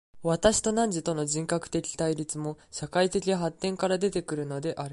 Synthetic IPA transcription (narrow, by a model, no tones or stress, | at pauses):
βat̪aɕi̥t̪o̞nãɲ̟d͡ʑit̪o̞no̞ʑĩŋkakɯ̟̥t̪e̞kʲi̥t̪aiɾʲit͡sɨmo̞ɕakait̪e̞kʲiaɦat̪ːẽ̞ŋkaɾad̪e̞t̪e̞kɯ̟ɾɯ̟no̞d̪e̞ʔaɾɯ̟